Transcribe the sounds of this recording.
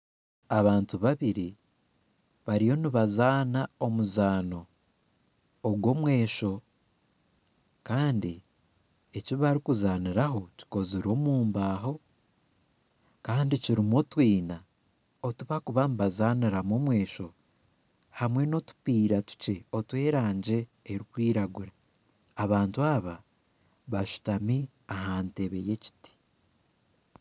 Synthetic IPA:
aβaːntuβaβiɾi | βaɾijo̞niβazaːnao̞muzaːno̞ | ɡwo̞mwe̞ːʃo̞ | kaːndi | eciβaɾikuzaːniɾaɦo̞ci̥ko̞ziɾo̞muːmbaːɦo̞ | kaːndiciɾimotwiːna | otuβakuβambazaniɾamo̞mwe̞ːʃo̞ | hamwe̞no̞tu̥piːɾatu̥ce̞o̞twe̞ːɾaːɲɟe̞ːɾikwiːɾaɡuɾaː | βaːntuaβa | βaʃu̥tami | ahaːnte̞βe̞je̞ci̥ti̥

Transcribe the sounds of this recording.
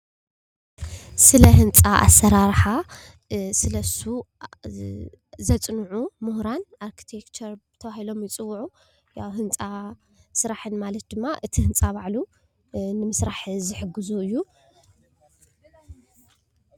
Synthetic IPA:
sɨlɐɦɨnt͡sʼaʔa̰sːɐɾaɾħa | sɨlɐsu | zɐt͡sʼnuʕumuhɾanʔaɾkʰi̥t̪ʰekt͡ʃʰɐɾt̪ʰɐβahilo̞mjɪt͡sʼɨwːʕu | ja̰wɦɨnt͡sʼa | sɨɾaħɨnmalɐt̪̚d̪ɨmːaʔɨt̪ʰihɨnt͡sʼaβaʕlu | nɨmɨsɾaħzɨħɨɡːɨzuɨjːu

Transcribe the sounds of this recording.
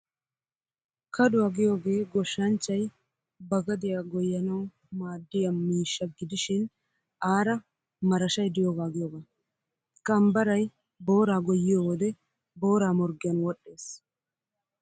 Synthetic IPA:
kɐɗʊwɐɡɪjo̞ːɡe̞ːɡɔʃːɐnt͡ʃːɐj | bɐɡɐd̪ɪjaɡɔjːɐnɐw | maːd̪ːɪjɐmiːʃːɐɡɪd̪ɪʃɪn | aːɾɐ | mɐɾɐʃɐjd̪ɪjoːɡaːɡɪjoːɡa | kʼɐmbɐɾɐj | bo̞ːɾaːɡɔjːɪjoːwɔd̪ɛ | bo̞ːɾaːmɔɾɡɪjɐnwɔɗːe̞ːs

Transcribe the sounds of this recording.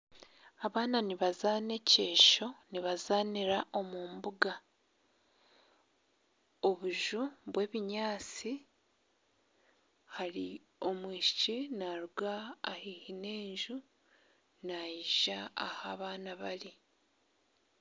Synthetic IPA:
aβaːnaniβazaːne̞ceːʃo̞niβazaːniɾaʔo̞muːmbuɡa | o̞βuʒuβwe̞ːβiɲaːt͡si | haɾi | o̞mwiːʃit͡ʃinaɾuɡaːhihine̞ːɲʒu | najiʒaa̰haβaːnaβaɾi

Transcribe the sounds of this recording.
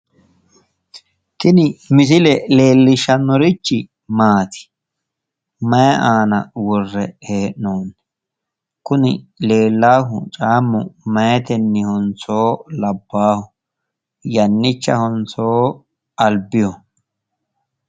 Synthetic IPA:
t̪ɪnɪmɪs̬ɪlɛle̞ːlːɪʃɐnɔɾɪt͡ʃːɪ | maːt̪ɪ̥ | mɐjɛʔaːnɐ̰wɔrːɛheːʔnoːnːɛ | kʊnɪle̞ːlːaːɦʊt͡ʃʼaːmːʊ̰mɐjɛt̪ɛnːɪhɔnt͡so̞ːlɐbːaːhʊ | jɐnːɪt͡ʃːɐ̰hɔnt͡so̞ː | ɐlbɪjɔ

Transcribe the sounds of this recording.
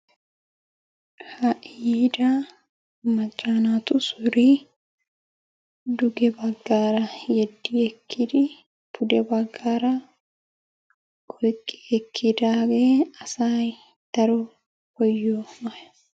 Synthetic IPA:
hɐʔiːd̪a | mɐd͡ʒaːnaːt̪ʊsʊɾi | d̪ʊɡɛbɐɡːaːɾɐjɛd̪ːiɛkʰːɪd̪ɪ | pʊd̪ɛbɐɡːaːɾɐ | kʼɔjkʼɛ̥ɛkʰːɪd̪aːɡeːɐsaːj | d̪̥ɐɾɔ | hɔjːoːmɐ

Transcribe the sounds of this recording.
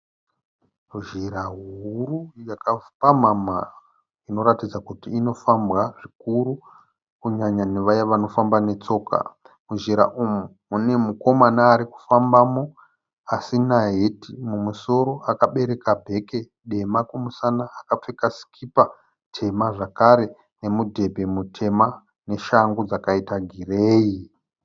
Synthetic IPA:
uʒiɾaɦurujakapamama | ino̞ɾatid͡zakutiːno̞fambɣaʐikuɾu | kuɲaɲaneʋajaʋano̞fambane̞t͡so̞ːkʰa̰ | muʒiɾa̰ʔumu | une̞muko̞manaːɾiku̥fambamo̞ | asinaɦe̞timumuso̞ɾo̞ʔakaɓe̞ɾe̞kabʱe̞ke̞ | ɗe̞makumusanaːkap͡fekasi̥kʰipa | tʰe̞maʐakaɾe̞ | ne̞mudʱe̞bʱe̞mutʰe̞ma | ne̞ʃaŋɡod͡zakaitaɡʱireːi

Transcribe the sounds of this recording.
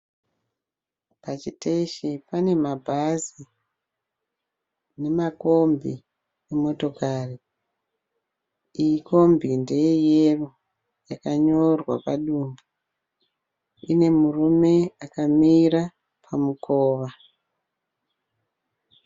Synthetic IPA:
pat͡ʃiteʃipane̞mabʱazi | ne̞mako̞mbi | emo̞to̞kari | ijiko̞mbinde̞jejero | jakaɲo̞rwapaɗumbu | ine̞murume̞akamiɾa | pʰamukʰoːʋa

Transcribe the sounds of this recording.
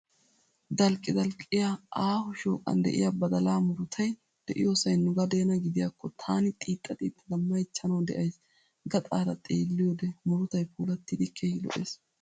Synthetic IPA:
d̪ɐlkʼɪd̪ɐlkʼɪjaʔaːhʊʃo̰ːkʼɐ̰nd̪ɛ̰ʔɪ̰jɐbɐd̪ɐlaːmʊɾʊt̪ʰɐj | d̪̥ɛʔɪ̰joːsɐjnʊɡɐd̪e̞ːnɐɡɪd̪ɪjɐkʰːɔt̪ʰaːnɪt̪ʼiːt̪ʼːɐt̪ʼiːt̪ːɐlɐmːɐjt͡ʃːɐnɐwd̪ɛ̰ʔɐjs | ɡɐt̪ʼaːɾɐt̪ʼeːlːɪjoːd̪ɛmʊɾʊt̪ɐjpuːlɐt̪ːɪd̪ɪkʰːeːhɪlɔ̰ʔḛːs

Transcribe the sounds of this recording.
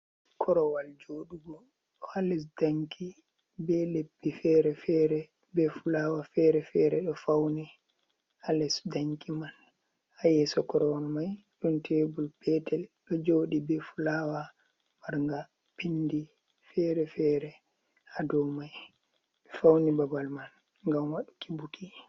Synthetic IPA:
kʰɔɾɔwald͡ʒoɗuɡɔ | ɗɔalɛs̬daŋkʰi | bɛlebːifɛɾɛfɛɾɛ | bɛfulaːwafɛɾɛfɛɾɛɗɔfawnɛ | alɛsdaŋkiman | ajɛsɔkɔɾɔwalmaj | ɗuntʰebulpɛtɛlɗɔd͡ʒoɗibɛfulawa | maɾŋɡa | pindi | fɛɾɛfɛːɾɛ | hadɔwmaj | ɗɔfawnibabalman | ŋɡamwaɗukibukʰi

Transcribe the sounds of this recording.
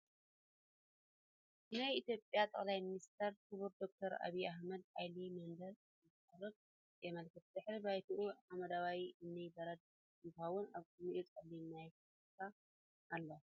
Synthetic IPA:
najit̪ʰjo̞pʼjat̪ʼɐ̰xʼlajminist̪ʰɐɾt̪ʰɨβuɾd̪o̞k̚t̪ʰɐɾa̰βiahmɐd̪ajlimɐnd̪ɐl | zɨt̪ɨħɐɾɨb | jɛmɐlkʰɨt̪̚d̪ɨħɾibajt̪ʰuʔuħamɐd̪awajiʔɨnːɐjbɐɾɐd̪̚ | ɨnt̪awʊnaβkunuʔɛt͡sʼɐlːinːajk | t̪ʰa | ʔːlːo

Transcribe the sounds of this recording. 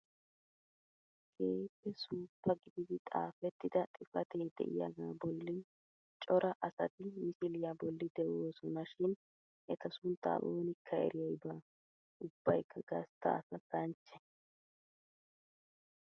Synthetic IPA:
ɡʰeːpːɛsuːpːɐɡɪd̪ɪd̪ɪt̪ʼa̰ːfɛt̪ːɪd̪ɐt̪ʼɪfɐt̪eːd̪ɛ̰ʔɪ̰jɐ̰ɡaːbɔlːɪ | t͡ʃʼɔɾʔɐʔɐsɐ̰t̪ɪmɪsɪlɪjabɔlːɪd̪ɛʔoːsɔnɐʃɪn | ʔɛt̪ɐsʊnt̪ːa̰ːʔoːnɪkʰːɐɛ̰ɾɪjɐjbaː | ʊb̥ːɐjkʰːɐɡɐst̪ːɐ̰ɐ̰sɐtɐnt͡ʃːɛ

